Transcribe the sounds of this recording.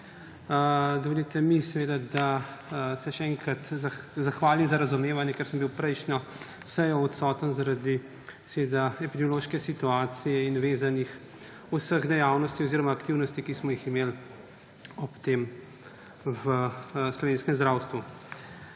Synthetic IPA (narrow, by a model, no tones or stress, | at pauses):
d̪ɔʋelit̪ɛmisɛʋeːd̪ad̪a | sɛʃɛɛŋkɾat̪zazaxʋaːlimzaɾazumeːʋanjɛkɛɾsəmbiwpɾɛjʃnɔ | sɛjɔɔt̪sɔːt̪ənzaɾad̪i | sɛʋed̪aɛpid̪ɛmjɔloːʃkɛsit̪uaːt̪sijɛinʋeːzanix | usəɣd̪ɛjaːwnɔst̪iɔziːɾɔmaːkt̪iːwnɔst̪ikismɔjiximeːl | ɔpt̪eːm | ʋəslɔʋeːnskɛmzd̪ɾawst̪ʋu